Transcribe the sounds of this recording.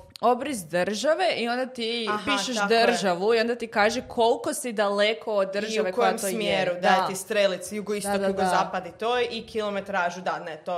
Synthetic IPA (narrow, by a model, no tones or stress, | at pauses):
o̞bɾizd̪r̩ʒaʋe̞ʔio̞nd̪at̪ipiʃeʃd̪̩ʒaʋuio̞nd̪at̪ikaːʒekʰo̞lˠko̞sid̪alekʰo̞ːd̪d̪ːr̩ʒauʋekoojmomjeɾud̪ajet̪ist̪ɾelit̪sjuɡoist̪od̪juɡozaːpad̪it̪ojikʰilˠomet̪ɾaːʒud̪anet̪o